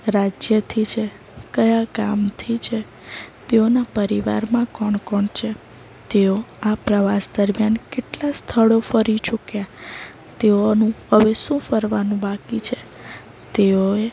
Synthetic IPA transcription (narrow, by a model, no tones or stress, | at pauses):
ɾad͡ʒjət̪ʰit͡ʃʰe | kəjakamt̪ʰit͡ʃʰe | t̪eonapəɾiʋa̰ɾmãkɔɳkɔɳt͡ʃʰe | t̪eoapɾəʋasd̪əɾmjankeʈlast̪ʰəɭofəɾit͡ʃukja | t̪eonũhəʋesũfəɾʋanũbakit͡ʃʰe | t̪eoe